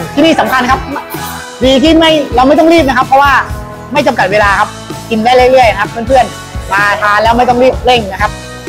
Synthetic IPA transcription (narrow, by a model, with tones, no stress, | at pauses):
t̪ʰiː˥˩niː˥˩sa˩˦mkʰa˧nkʰa˦˥p̚m˥˩ | diː˧k̬i˥˩nma˥˩jɾa˧wma˥˩jt̪ɔ˥˩ŋɾiː˥˩p̬̚na˦kʰa˦˥pʰːɔ˦˥waː˥˩ | ma˥˩jt͡ɕa˧mka˨˩weː˧laː˧kʰa˦˥p̚ki˧ndaː˥˩jɾɯ˥˩˦ɾɯ˥˩əjna˦kʰa˦˥pʰːɯ˥˩npʰɯ˥˩ən | maː˧t̪ʰaː˧lɛː˦˥wma˥˩jt̪ɔ˥˩ŋɾiː˥˩p̚ɾe˥˩ŋna˦˥kʰa˦˥p̚